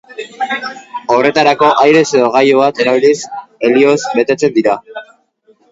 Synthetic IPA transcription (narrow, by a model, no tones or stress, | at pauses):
o̞re̞t̪aɾako̞ʔajɾe̞se̞ðo̞ɣajoβat̪e̞ɾaβ̞ilise̞lio̞zbe̞t̪e̞t͡se̞nd̪iɾa